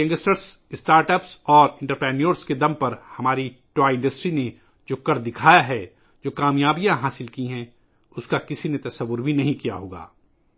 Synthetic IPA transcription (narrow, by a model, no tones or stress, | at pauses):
ɐ̃ŋɡəsʈəɾsɪsʈaːɾʈəpsɔːɾɪ̃ɳʈəɾpɾɛːnijoːɾsked̪ɐ̃mpɐɾhɐmaːɾiʈwaːɪ̃ɳɖəsʈɾine | d͡ʒoːkɐɾd̪ɪkʰaːjaɦɛ | d͡ʒoːkaːmjaːbijãɦaːsɪlkiɦɛ̃ | ʊskakɪsinet̪ɐsɐʋːʊɾbʱinɐɦĩkija̰ɦoːɡa̰ː